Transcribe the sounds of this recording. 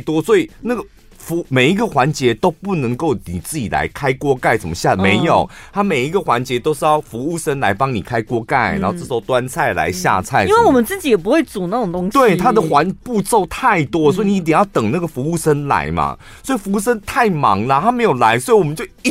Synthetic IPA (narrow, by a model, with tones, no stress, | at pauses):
t̪wɔ˥swɔ˧˥i˨˩na˥˩ɡə˩ | fu˧˥me˨˩ɪi˧˥ɡə˨xwa˧˦nt͡ɕjɛ˧˦t̪o˥ʊpu˥˩nə˧˦ŋko˥˩ʊni˨˩t͡sɹ̩˥˩t͡ɕi˨˩la̰˧˦ɪkʰa˥ɪkwɔ˥ka˥˩ɪʂə˧˨˩mə˧˦ɕja˥˩me˨˧˥ɪjo˨˩ʊt̪ʰa˥me˨˩ɪi˧˥ɡə˨xwa˧˦nt͡ɕjɛ˧˥t̪o˥ʊʂɻ̩˥˧jɑ˥˩ʊfu˧˥u˥˩ʂə˥nla˧˦ɪpɑ˦˥ŋnḭ˨˩kʰa˥ɪkwɔ˥ka˥˩ɪn̰˨˧˦ho˥˧ʈ͡ʂɤ˥˩ʂ̩˧o˥˩ʊt̪wa˦nt͡sʰa˥˩ɪla̰˧˦ɪɕja̰˥˧t͡sʰa˥˩ɪi˦nwe˥˩wɔ˨˩mə˦nt͡sɹ̩˥˩t͡ɕi˨˥jɛ˨˩p̬u˧˥xwe˥˩ɪt͡su˨˩na˥˩ʈ͡ʂo˨˩ŋt̪o˥ŋɕt̪we˥˩ɪ˧t̪ʰa˥d̪ə˨xwa˧˦npu˥˧t͡so˥˧ʊt̪ʰa˥˩ɪt̪wɔ˥swɔ˧˥i˨ni˧˥t̪jɛ˨˩ŋjʊt̪ə˨˩ŋna˥˩ɡə˩fu˧˥u˥˩ʂə˥nla̰˧˦˥ɪma̰˧ | swɔ˧˥i˨˩fu˧˥u˥˩ʂə˥nt̪ʰa˥˩ɪmɑ̰˧˥ŋlə˦t̪ʰa˦˥me˧˥ɪjo˨˩la˧˦ɪswɔ˧˥i˨˩wɔ˨mə˦t͡ɕjo˥˧